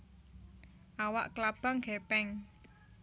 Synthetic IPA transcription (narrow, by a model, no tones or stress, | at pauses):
ʔawa̰ʔklab̥aŋɡɛpɛŋ